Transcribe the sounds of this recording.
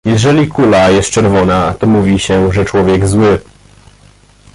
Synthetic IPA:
jɛʐɛlʲikʰulajɛst̪̚t͡ʂɛɾvɔnat̪ɔmuvʲiɕɛʐɛt͡ʂwɔvʲjɛɡzwɘ

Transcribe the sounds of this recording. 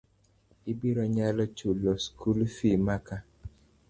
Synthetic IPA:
ibiɾɔɲalɔt͡ʃulɔskʰulfimaka

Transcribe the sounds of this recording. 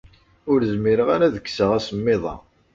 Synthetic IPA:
ʊɾzmɪɾəʁaɾæðəkːsəʁæsəmːɪðˤɑ̰

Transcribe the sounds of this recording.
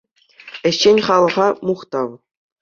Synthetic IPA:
ɘ̆ɕːenʲχɑlˠɤ̆ʁɑmuχt̪ɑw

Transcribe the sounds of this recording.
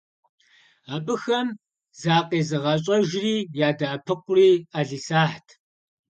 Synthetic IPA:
aːbɨxɐm | zaːqeːzɨʁɐɕʼɐʒriːjaːdaːpʰɨqʷʊriːaːɮiːsaːħtʰ

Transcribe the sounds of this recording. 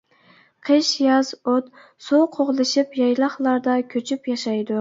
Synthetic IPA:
qʰɨʃjɑzot̪ | soqʰoʁlˠɨʃɪpjɑjlˠɑχlˠɑɾd̪ɑkʲʰøt͡ʃʰypjɑʃɑjd̪ʊ

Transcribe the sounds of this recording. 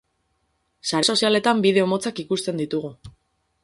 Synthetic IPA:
saɾeso̞siale̞t̪ambiðe̞o̞mo̞t͡sakikust̪e̞nd̪it̪uɣ̞u

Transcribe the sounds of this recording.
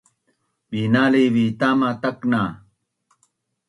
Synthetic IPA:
winaliβit̪amat̪akna

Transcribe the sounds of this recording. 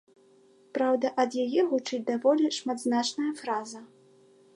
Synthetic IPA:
pɾawd̪ɐʔɐd̪jajɛɣut͡ʂɨt͡sʲd̪avɔlʲiʂmad̪znat͡ʂnɐjɐfɾazɐ

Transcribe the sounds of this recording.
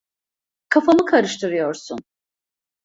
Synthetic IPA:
kʰafamɯkʰaɾɯʃt̪ʰɯɾɯjo̞ɾsun

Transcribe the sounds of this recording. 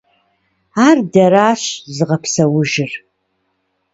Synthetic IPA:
aːrdɐɾaːɕzɨʁɐpʰsɐwʊʒɪr

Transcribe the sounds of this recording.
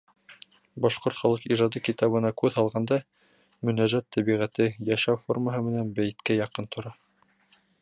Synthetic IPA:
bɑʃqoɾt̪χɑlˠɤqiʒɑd̪ɤkit̪ɑβɤ̆nɑkʉðhɑlˠʁɑnd̪ɑ | mɵ̆næʒæt̪ʰːæβiʁæt̪ɘjæʃæwforməɦɤmɘ̆nænbæj̆t̪kæjɑqɤnt̪ʰŏɾɑ

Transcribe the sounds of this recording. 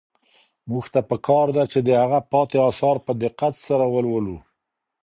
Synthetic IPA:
muxt̪apəkɑɾd̪at͡ʃed̪əhaɣapɑt̪eɑsɑɾpəd̪ɪqːat̪saɾawəlwəlu

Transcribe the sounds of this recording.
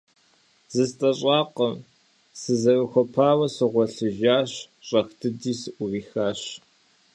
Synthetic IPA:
z̥ɨstʼɐɕʼaːqəm | sɨzɐrɨxʷɔpʰaːwɐsɨʁʷɔɬɨʒaːɕ | ɕʼɐxtʰɨdiːsɨʔʷʊriːxaːɕ

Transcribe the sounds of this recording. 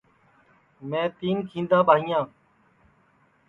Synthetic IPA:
mẽːt̪iːnkʰĩːnd̪aːbʱaːijãː

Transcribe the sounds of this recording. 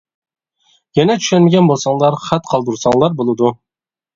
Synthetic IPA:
jɛnɛt̪ʰy̥ʃɛnmeɡʲɛnbolˠsɑŋlˠɑɾχæt̪qʰɑlˠd̪uɾsɑŋlˠɑɾbolˠud̪u

